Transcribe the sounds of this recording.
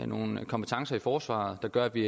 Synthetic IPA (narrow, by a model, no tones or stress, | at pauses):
no̝ːn̩kʰɒ̽mpʰe̥t͡sʰɑ̈ŋsɐifɒːsʋɑ̰̈ːð̞̩ˠd̥ɑ̈ɡ̥ɶɐʋi